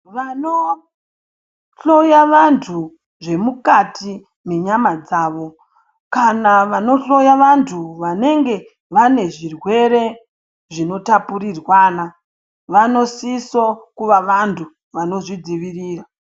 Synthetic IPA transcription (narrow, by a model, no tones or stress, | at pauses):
ʋano | ɬo̞jaʋantʰu | ʐe̞mukati | me̞ɲamad͡zaːʋo̞ | kanaʋano̞ɬo̞jaʋantʰuʋane̞ŋɡe̞ | ʋane̞ʐirwe̞ɾe̞ | ʐino̞tapuɾirwaːna | ʋano̞sisokuʋaʋantʰu | ʋano̞ʐid͡ziʋiriːra